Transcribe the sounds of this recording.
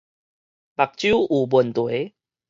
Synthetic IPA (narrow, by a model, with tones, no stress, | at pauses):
ba˨˩k̚t͡ɕju˦u˨˩bu˨˩nt̪we˨˦